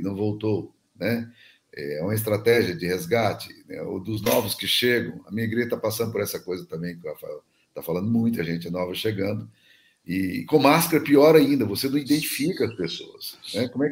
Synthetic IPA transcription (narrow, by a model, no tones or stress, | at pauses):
nɐ̃w̃vowt̪o | nɛ | ɛ̰ɛũmɐɪs̬t̪ɾat̪ɛʒiɐd͡ʒɪhezɡat͡ʃɪ̥nɛ̰o̰d̪ʊznɔvʊskɪʃeɡɐ̃w̃ɐ̰mĩɲɐiɡɾeʒɐt̪apasɐ̃d̪ʊpoɾɛsɐkojzɐt̪ɐ̃mbẽj̃kafa | t̪afalɐ̃nd̪ʊmũj̃t̪ʊɐʒẽnt͡ʃɪnɔvɐʃeɡɐ̃nd̪ʊ | ɪkõmaskɐɾɐpiɔɾaĩnd̪ɐvosenɐ̃w̃id̪ẽt͡ʃifikɐɐspesoɐsnɛkõmʊɛ